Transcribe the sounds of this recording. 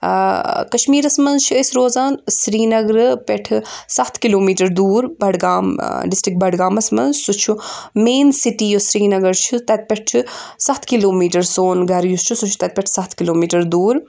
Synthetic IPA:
kɐʃmiːɾɐsmɐnzt͡ʃʰiɐsʲɾoːzaːnsɾiːnɐɡɾɨpʲeʈʰɨsɐt̪ʰkiloːmiːʈɐɾd̪uːɾbɐɖɡaːmɖisʈɾik̚bɐɖɡaːmɐsmɐnzsut͡ʃʰumeːnsiʈijosɾiːnɐɡɐɾt͡ʃʰit̪ɐt̪̚pʲeʈʰisɐt̪ʰkiloːmiːʈɐɾsoːnɡɐɾjust͡ʃʰusut͡ʃʰu̥t̪ɐt̪̚pʲɛʈʰsɐt̪ʰkiloːmiːʈɐɾd̪uːɾ

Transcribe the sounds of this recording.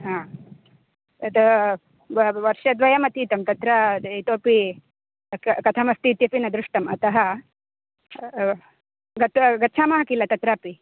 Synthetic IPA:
ɦãː | ɐt̪ɐ | ʋɐɾʃɐd̪ʋɐjɐmɐt̪iːt̪ɐmt̪ɐt̪ɾɐit̪oːpi | kɐt̪ʰɐmɐst̪iːt̪jɐpinɐd̪ɾuʂʈɐmɐt̪ɐɦɐ | ɡɐt̪ɡɐtːt͡ʃʰaːmɐɦɐkilɐt̪ɐt̪ɾaːpi

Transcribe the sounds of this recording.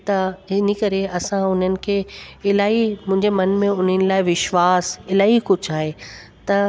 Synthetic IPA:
t̪ɐɦɪnikɐɾeɐsãʊn̤ənɪ̆kʰeːɪlaːɦimʊ̃ɦɪ̃ɲd͡ʑemɐnmẽʊn̤ənɪ̆laːɪʋɪʃʋaːsɪlaːɦikʊd͡ʑʱaːɦe | t̪ɐ

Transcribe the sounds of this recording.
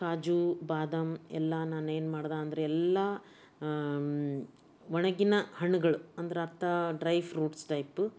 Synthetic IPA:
kaːd͡ʒubaːd̪ɐmɛ̰lːɐnaːneːnmaːɽd̪aːɐnd̪ɐɾeɛlːɐ | ʋɐɳɐɡinɐhɐɳuɡɐɭuɐnd̪ɐɾeɐɾt̪ʰɐɖɾɐjʋɾuːʈsʈɐjp

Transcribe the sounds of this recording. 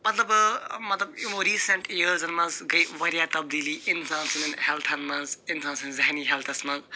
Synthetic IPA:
mɐt̪lɐbmɐt̪lɐbumoɾiːseɳʈeəɾzɐnmɐzɡɐjwɐɾijat̪ɐb̚d̪iliʔinsãːnsinɐnhelt̪ʰɐnmɐzinsãːnsinzaɦniɦelt̪ʰɐsmɐz

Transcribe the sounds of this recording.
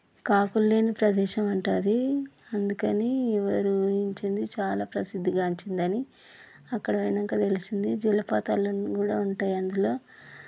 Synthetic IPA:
kaːkulːe̞ːnipɾɐd̪ɛːʃɐmɐɳʈaːd̪iɐnd̪ukɐniɛʋɐɾuiɲt͡ʃind̪it͡ʃaːlaːpɾɐsid̪ʱːiɡaːɲt͡ʃind̪ɐni | ɐkːɐɽɐɐjnɐŋkaːt̪e̞lisind̪id͡ʒilɐpaːt̪aːlɐkuːɽa̰ːuɳʈaːjɐnd̪ulo̞ː

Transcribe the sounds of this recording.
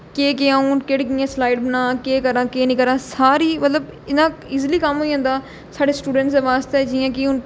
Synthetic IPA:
keːk̬eãːũːnkeɽk̬ijãːslaːɪɖbənãːkeːkəɾãːkeːnĩːkəɾãːsaːɾiːmət̪ləbɪnãːiːzliːkəmɦoːiə̃nd̪aː | saːɖeːsʈuːɖə̃ɳʈsd̪eːʋaːst̪eɛːd͡ʒiːjãːkɪʊn

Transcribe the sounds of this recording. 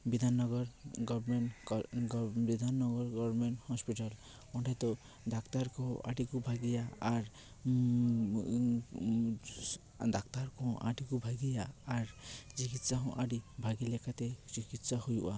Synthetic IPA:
bid̪ʱanːɔɡɔɾɡɔbmeɳ | bid̪ʱanːɔɡɔɾɡɔbɾmeɳʈhɔspiʈal | ɔɳʈɛt̪ɔ | d̪akt̪aɾkɔa̰ɖikubʱaɡijaːɾ | d̪akt̪aɾkɔ̃ʔa̰ɖikubʱaɡijaːɾt͡ʃikit̪saɦɔ̃ʔaɖibʱaɡilɛkʰat̪et͡ʃikit̪sahujṵʔa

